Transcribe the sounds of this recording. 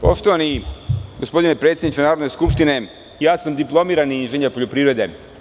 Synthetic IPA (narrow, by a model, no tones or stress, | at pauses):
po̰ʃt̪o̞ʋaniɡospo̞d̪inepɾe̞t̪sʲjed̪nit͡ʃ̪enaːɾo̞d̪ne̞skupʂt̪ine̞ | jaːsamd̪iplˠo̞miːɾaniinʒeɲeɾpo̞ʎo̞pɾiːvɾe̞d̪e